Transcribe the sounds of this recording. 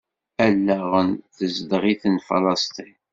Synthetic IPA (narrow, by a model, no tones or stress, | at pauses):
ælːæʁənθəzd̪ʁiθənfɑ̰lɑst̪i